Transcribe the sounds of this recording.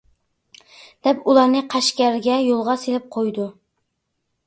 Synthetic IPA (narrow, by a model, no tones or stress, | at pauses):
d̪̥ɛpulˠɑɾnɪqʰæʃkʲæɾɪɡʲɛjolˠʁɑselɪp̚qʰojd̪ʊ